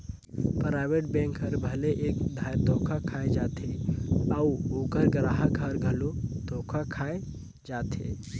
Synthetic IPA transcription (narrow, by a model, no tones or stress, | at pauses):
pɾaːɪʋeʈ̚bɛ̃ŋkɦəɾbʱəleʔeːkd̪ʱajd̪ʱoːkʰakʰaːed͡ʒat̪ʰeəuoːkəɾɡɾaɦaɡɡʱəɾɡʱəlod̪ʱoːkʰakʰaːe | d͡ʒaːt̪ʰḛ